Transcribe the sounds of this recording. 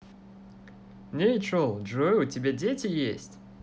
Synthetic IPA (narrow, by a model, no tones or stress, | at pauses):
nʲet͡ʃolˠʐɨvɨjʊtʲɪbʲadʲetʲɪjesʲtʲ